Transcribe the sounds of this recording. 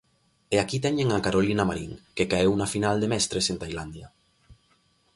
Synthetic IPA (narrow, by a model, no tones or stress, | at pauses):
eakit̪̬ɛɲeŋakaɾolinamaɾiŋkekaewnafinald̪emɛst̪ɾesent̪ajland̪ja